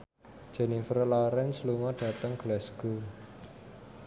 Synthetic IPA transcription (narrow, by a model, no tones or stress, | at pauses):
d̥d͡ʒ̥ɛnifərlaɾɛnsluŋɔdɖ̥ä̤t̪əŋɡ̥lɛsɡ̥u